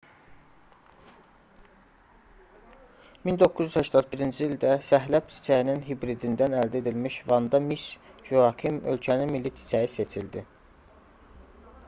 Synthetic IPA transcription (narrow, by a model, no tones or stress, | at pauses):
mind̪o̞kʰːuzyzhæʃt̪ɑt̪̚biɾind͡ʒiild̪æsæɦlæb̚t͡ʃ̪ʰi̥t͡ʃʰæininɦibɾid̪ind̪ænæld̪æe̞d̪ilmiʃvɑnd̪ɑmisʒuɑkʰimø̞lcʰæninmilːit̪ʰi̥t͡ʃʰæjise̞t͡ʃʰild̪i